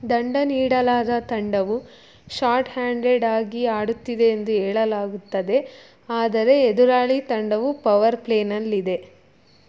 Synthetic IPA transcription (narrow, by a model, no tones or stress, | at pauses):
d̪ɐɳɖɐniːɽɐlaːd̪ɐt̪ɐɳɖɐʋu | ʃaːɾʈhaːɳɖeɖaːɡiaːɽut̪ːid̪e̞ːnd̪uɦɛːɭɐlaːɡut̪ːɐd̪e̞ | aːd̪ɐɾe̞ːd̪uɾaːɭit̪ɐɳɖɐʋupɐʋɐɾpleːnɐlːid̪e̞